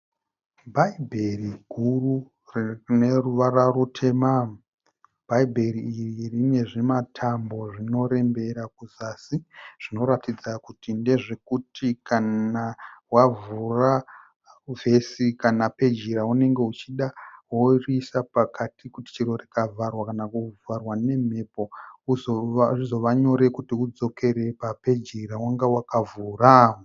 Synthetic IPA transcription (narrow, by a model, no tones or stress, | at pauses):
bʱaibʱe̞riɡʱuru | rneruʋararutʰe̞mam | bʱaibʱe̞ɾiːririne̞ʐematʰambo̞ʐino̞ɾe̞mbe̞ɾakuzasiʐ̥ino̞ɾatid͡zakutinde̞ʐe̞kutikanawavura | ve̞sikanape̞d͡ʒiɾaune̞ŋɡe̞ut͡ʃiɗaɦorisapakʰatikuti̥t͡ʃiɾo̞rikavʱarwakanakuvarwane̞m̤e̞po̞uzʐizo̞ʋaɲo̞ɾe̞kutiud͡zo̞kʰe̞ɾe̞pape̞d͡ʒiɾawaŋɡewakavuraːwo